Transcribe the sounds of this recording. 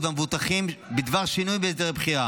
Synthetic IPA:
vamvut̪aχimbid̪vaʁʃinujbeesd̪eʁbχiʁa

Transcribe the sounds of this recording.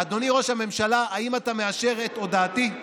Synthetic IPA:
ad̪o̞niʁo̞ʃhame̞mʃalaaimatame̞aʃe̞ʁet̪o̞daːt̪i

